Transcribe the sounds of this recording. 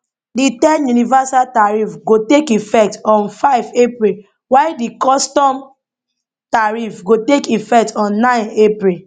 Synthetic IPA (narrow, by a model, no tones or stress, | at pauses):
ditɛ̃njunivasaltaɹifɡotekifɛk̚tɔ̃nfaɪvepɹil | wadikɔstɔ̃m | taɹifɡotekifɛk̚tɔ̃nːãɪ̃nepɹi